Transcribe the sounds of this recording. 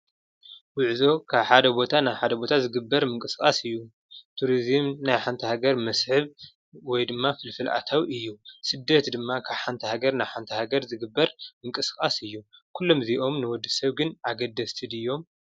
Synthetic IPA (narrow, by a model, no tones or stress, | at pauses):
wʊʕzo̞kʰaβħad̪ɐbo̞t̪ʰanajħad̪ɐbo̞t̪ʰazɨɡɨbːɐɾmɨŋkʼɨskʼasɨjːu | t̪ʰuɾizɨmnajħant̪ʰihaɡɐɾmɐsħɨβ | wɔjd̪ɨmːafɨlfɨlʔa̰t̪ʰawiɨjːusɨd̪ːɐt̪d̪ɨmːakʰaβħant̪ʰɐhaɡɐɾnajħant̪ʰɐhaɡɐɾzɨɡɨbːɐɾmɨŋkʼɨskʼasɨjːukʰulːo̞mziʔo̞mnɨwɔd̪ːɨsɐβɡɨnʔaɡɐd̪ːɐst̪ʰɨd̪ijo̞m